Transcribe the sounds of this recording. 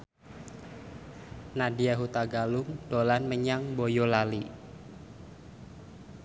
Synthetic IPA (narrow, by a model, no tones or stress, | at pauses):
nadiaɦut̪aɡalʊŋd̥olanməɲaŋbojolali